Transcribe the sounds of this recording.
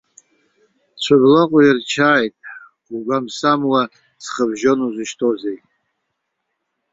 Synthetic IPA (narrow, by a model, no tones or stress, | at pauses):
t͡ɕʷʰablaqʷʼʊjirt͡ʃʰaːjtʼ | uɡʷamsamwa | t͡sʰχəbʒonuzɨʃtʰozejtʼ